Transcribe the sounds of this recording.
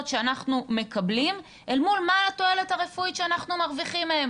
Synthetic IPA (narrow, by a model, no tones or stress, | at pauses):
t̪ʃeanaχnume̞kablim | ʔelmulmato̞e̞le̞thaʁe̞fuiʃeanaχnumaʁviχimːeem